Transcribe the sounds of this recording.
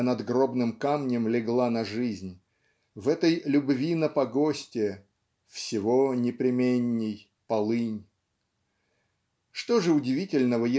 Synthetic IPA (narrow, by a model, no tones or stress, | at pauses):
nɐd̪ɡro̞bnɨmkamnʲɪmlʲɪɡlˠanɐʐɨzʲnʲ | vɛt̪əjlʲʊbvʲinəpɐɡosʲtʲɪə | fsʲɪvonʲɪpɾʲɪmʲenʲːɪj | pɐlˠɨnʲ | ʂt̪o̞ʐɨʊdʲɪvʲitʲɪlʲnəvəjɪ